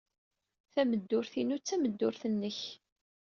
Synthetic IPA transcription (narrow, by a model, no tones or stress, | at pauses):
θæməd̪ːʊɾθinut͡sːæməd̪ːʊɾθənːəç